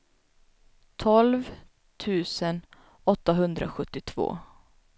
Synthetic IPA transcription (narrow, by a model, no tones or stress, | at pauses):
t̪ʰɔlv | t̪ʰʉ̟ːsən | ɔt̪ːaɦɵnd̪ɾa̰ɧɵt̪ːɪt̪ʰv̥o̰ː